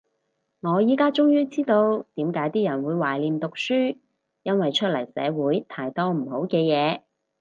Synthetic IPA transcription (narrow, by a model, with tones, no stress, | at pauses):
ŋɔː˨˧jiː˨˥kaː˥t͡ʃʊ˥ŋjyː˥t͡siː˥t̪o˧wt̪iː˨˥mkaː˨˥jt̪iː˥jɐ˨˩nwuː˨˧jwaː˨˩jliː˨˧mt̪ʊ˨k̚syː˥ | jɐ˥nwɐ˨jt͡ʃʰɵ˥t̚lɐ˨˩jsɛ̰ː˨˧wuː˨˥jt̪ʰaː˧jt̪ɔː˥m̩˨˩ho˨˥wkɛː˧jɛː˨˧